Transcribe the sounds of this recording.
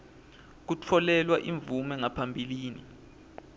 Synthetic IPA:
k̬ut͡fʰɔlɛlwaʔiɱb̪vumɛŋapʰambʱiliːnḭ

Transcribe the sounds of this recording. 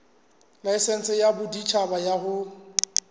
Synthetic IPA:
laɪsɛn̩t͡sʼɪjabʊdit͡ʃʰabajahʊ

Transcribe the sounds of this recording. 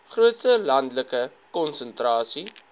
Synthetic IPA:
χruətsəlɐndləkə | kɔnsəntrɑːsi

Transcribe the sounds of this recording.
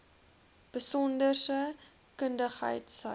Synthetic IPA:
b̥əsɔndərsə | kəndəχɦə̰jtsə̰

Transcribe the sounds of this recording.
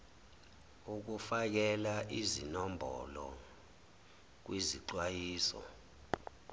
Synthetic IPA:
uk̬ufak̬ɛlaʔizinɔmbʱɔ̰lɔ | k̬wʔiziǀwajiːsɔ̰

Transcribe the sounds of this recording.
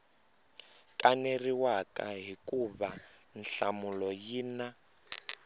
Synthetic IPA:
kʼaneriwakaɦikʼuβan̩ɬamulɔjiːna

